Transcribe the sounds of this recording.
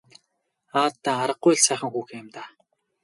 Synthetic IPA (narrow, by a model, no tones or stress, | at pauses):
aːt̪ːaːaɾə̆q̚ːʊjɮsæːχə̆ŋxuːxemt̪aː